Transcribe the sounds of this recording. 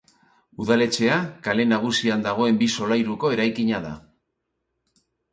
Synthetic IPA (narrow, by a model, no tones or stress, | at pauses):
uðale̞t͡ʃe̞akale̞naɣ̞usiand̪aɣ̞o̞e̞mbiso̞lajɾuko̞e̞ɾajkiɲaða̰